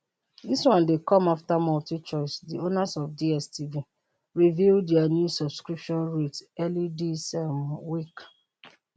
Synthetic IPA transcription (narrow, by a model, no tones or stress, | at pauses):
diswãndekɔ̃maftamɔltit͡ʃɔsdionasɔfdiɛstʰivi | ɹivildɛanjusɔbskɹipʃɔ̃nɹetɛlidisɛmwik